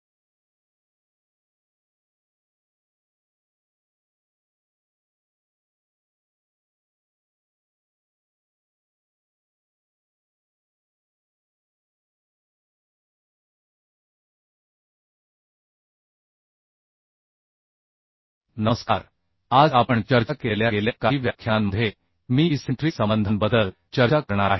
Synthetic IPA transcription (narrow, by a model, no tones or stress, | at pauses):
nəəska̰ɾ | ad͡zapəɳt͡ɕəɾt͡ɕakeljaeljakaiʋjakʰːjanməd̪ʱe | miːsiɳʈɾisəmənd̪ʱənbəd̪əl | t͡ɕəɾt͡ɕakəɾɳ̃aɾaɦe